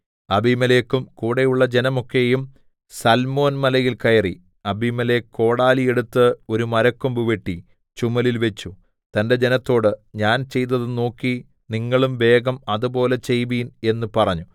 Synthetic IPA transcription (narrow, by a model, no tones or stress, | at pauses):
ɐbimɐleːkːumkuːɽejuɭːɐd͡ʑe̞nɐmo̞kːe̞jum | sɐlmo̞ːnmɐlɐjilkɐjɐri | ɐbimɐlekːo̞ːɽaːlije̞ɽut̪ːɨo̞ɾumɐɾɐkːumbuʋeʈːi | t͡ɕumɐlilʋe̞t͡ɕːu | t̪ɐnde̞d͡ʑe̞nɐt̪ːo̞ːɽɨɲaːnt͡ɕe̞jt̪̬ːɐðɨno̞ːkːi | niŋːɐɭumʋe̞ːɡɐmɐðubo̞ːle̞t͡ɕe̞jʋiːne̞nːupɐrɐɲːu